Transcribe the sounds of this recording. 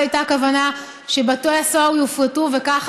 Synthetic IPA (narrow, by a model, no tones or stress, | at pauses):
ajtakavana | ʃebatojasowjufʁetuve̞kaχ